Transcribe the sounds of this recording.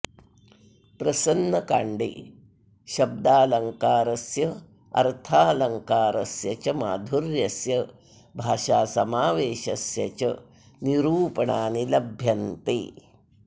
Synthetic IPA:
pɾɐsɐnːɐkaːɳɖḛː | ʃɐb̚d̪aːlɐŋkaːɾɐsjɐ | ɐ̰ɾt̪ʰaːlɐŋkaːɾɐsjɐt͡ʃɐma̰ːd̪ʱuɾjɐsjɐ | bʱaːʃaːsɐmaːʋeːʃɐsjɐ̰t͡ʃɐ | niɾuːpɐɳaːnilɐbʱjɐnt̪ḛː

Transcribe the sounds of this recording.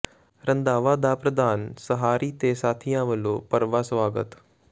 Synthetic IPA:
ɾə̃nd̪aːʋaːd̪apɾəd̪aːnsəɦaːɾiːt̪esaːt̪ʰijãʋəloːpəɾʋaːsʋaːɡə̰t̪

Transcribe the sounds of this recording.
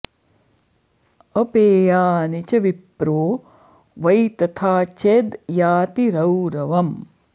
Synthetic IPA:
ɐpeːjaːnit͡ʃɐʋipɾoː | ʋɐjt̪ɐt̪ʰaːt͡ʃeːd̪jaːt̪iɾɐwɾɐʋɐm

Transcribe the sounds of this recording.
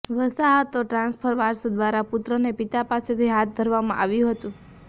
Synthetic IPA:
ʋəsaɦət̪oʈɾãnspʰəɾʋaɾsod̪ʋaɾapʊt̪ɾənepɪt̪apaset̪ʰiɦat̪̚d̪ʱəɾʋamãʔaʋjũɦət̪ũ

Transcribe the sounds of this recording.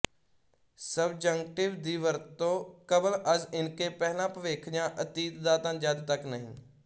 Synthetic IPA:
səbd͡ʒəŋkʈɪʋd̪iːʋəɾt̪ːõːkəbələzɪnkeːpɛːɦlãːpəʋeːkʰjãːʔət̪iːt̪d̪ãːt̪ãːd͡ʒəd̪t̪əknəɦɪ̰̃ːn

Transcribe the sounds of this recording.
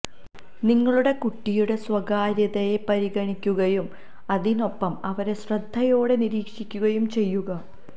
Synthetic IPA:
niŋːɐɭuɽe̞kuʈːijuɽe̞swɐɡaːɾjɐðɐjepɐɾiɣɐɳikʲːuɣɐjum | ɐðino̞pːɐmɐʋɐɾe̞ɕrɐd̪ʱːɐjo̞ːɽe̞niɾiːkʂikʲːuɣɐjumt͡ɕe̞jːuɣɐ

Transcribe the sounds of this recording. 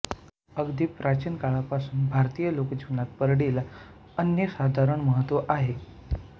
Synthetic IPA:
əɡd̪iːpːɾat͡ɕiːnkaɭapasuːnbʱaɾt̪ijəlokd͡ʑʱiʋnat̪̚pəɾɽila | ənjəsad̪ʱaɾəɳməɦət̪ʋəʔaɦe

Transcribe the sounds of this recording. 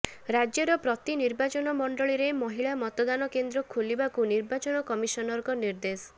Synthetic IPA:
ɾad͡ʒjɔɾɔpɾɔt̪iniɾbat͡ʃɔnɔmɔɳɖɔɭiɾemɔɦiɭamɔt̪ɔd̪anɔkend̪ɾɔkʰulibakuniɾbat͡ʃɔnɔkɔmisɔnɔɾkɔniɾd̪esɔ̥

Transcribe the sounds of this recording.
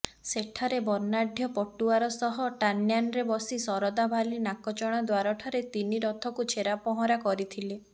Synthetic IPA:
seʈʰaɾebɔɾnaɖʱjɔpɔʈːuaɾɔsɔɦɔʈanjanɔɾebɔsisɔɾɔd̪abʱalinakɔt͡ʃɔɽ̃ad̪waɾɔʈʰaɾet̪iniɾɔt̪ʰɔkut͡ʃʰeɾapɔɦɔ̃ɾakɔɾit̪ʰile

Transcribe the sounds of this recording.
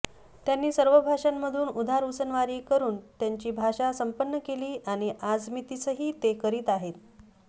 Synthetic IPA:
t̪janːiːsəɾʋəbʱaʂamːəd̪ʱuːnud̪ʱaɾusənʋaɾiːkəɾuːnt̪jaɲt͡ɕiːbʱaʂasəmpənːəkeliːʔaɽ̃iʔad͡zmit̪it͡səɦiːt̪ekəɾiːt̪aɦet̪̚

